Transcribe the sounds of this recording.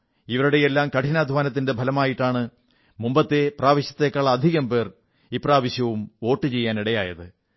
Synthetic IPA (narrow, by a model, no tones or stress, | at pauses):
iʋɐɾuɽejelːaːmkɐʈʰinaːd̪ʱʋaːnɐt̪̬ːinde̞bʱɐlɐmaːjiʈːaːɳɨ | mumbɐt̪ːe̞praːʋɐɕjɐ̥t̪ːe̞kːaːɭɐɐd̪ʱiɣɐmpe̞ːr | ipraːʋɐɕjɐʋumo̞ːʈːɨt͡ɕe̞jːaːniɽɐja̰ːjɐðɨ